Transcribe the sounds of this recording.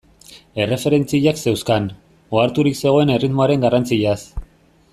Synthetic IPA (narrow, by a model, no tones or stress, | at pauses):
e̞re̞fe̞ɾe̞nt͡siʎakse̞wskan | oaɾt̪uɾikse̞ɣ̞o̞e̞ne̞rit̪mo̞aɾe̞ŋɡarant͡siʎas